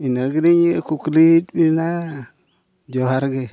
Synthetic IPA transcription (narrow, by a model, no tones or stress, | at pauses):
inaɡiɾiɲjekukulihidbina | d͡ʒoɦaɾɡe